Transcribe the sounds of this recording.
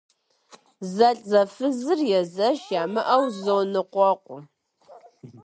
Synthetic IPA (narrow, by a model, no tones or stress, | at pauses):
zɐɬʼzɐfɨzɨrjɛzɐʃjaːmɨʔɐwzownɨqʷɔqʷʼʊ